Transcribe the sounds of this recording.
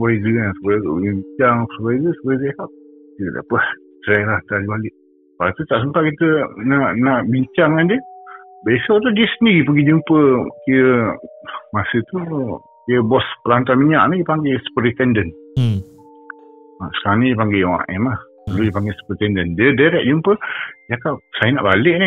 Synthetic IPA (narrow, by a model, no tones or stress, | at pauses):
sbajɡəasəbajɡṵbiɲt͡ʃaŋpsəbajɡəsəbajzekaʔ̚ | kit̪əda̰ʔpəh | t͡ʃəɾajlaht̪adibalɪʔ | paat̪ut̪aʔsəmpaʔ̪̚kit̪ənaʔnaʔbiɲt͡ʃaŋandiə | besɔʔt̪udiəsəndiɣipəɡid͡ʒəmpəkiə | masət̪u | kijəbɔspəlant̪amiɲaʔnĩjəpaŋɡesə̥pəɾit̪ɛndən | asə̥kaɾaŋnijəpaŋɡewa̰ʔɛ̰mah | lalujəpaŋɡesə̥pəɾit̪ɛndəndədaɾɛʔ̚d͡ʒumpəjakaʔsajəna̰ʔbalɪʔni